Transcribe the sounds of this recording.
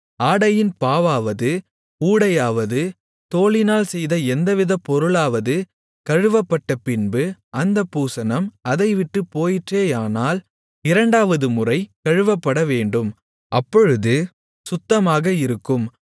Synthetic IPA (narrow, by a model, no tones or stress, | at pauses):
aːɽɐjɪnpaːʋaːʋɐðɯ | uːɽɐjaːʋɐðɯ | t̪oːɭɪnaːlsɛjðɐɛnd̪ɐʋɪðɐpːɔɾɯɭaːʋɐðɯ | kɐɻɯʋɐpːɐʈːɐpɪnbɯʔɐnd̪ɐpːuːsɐnɐmɐðɐɪʋɪʈːɯpoːjɪʈreːjaːnaːl | ɪɾɐɳɖaːʋɐðɯmʊrɐɪkɐɻɯʋɐpːɐɽɐʋeːɳɖɯm | ʔɐpːɔɻɯðɯ | sʊt̪ːɐmaːɣɐɪɾɯkːɯm